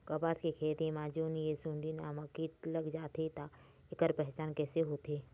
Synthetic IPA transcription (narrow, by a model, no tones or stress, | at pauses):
kɐpaːskekʰeːt̪imãːd͡ʒoːniesũɳɖinaːmakiːʈlɐɡd͡ʒaːt̪et̪a | ɪkəɾpɛɦt͡ʃaːnkɛːseɦoːt̪eː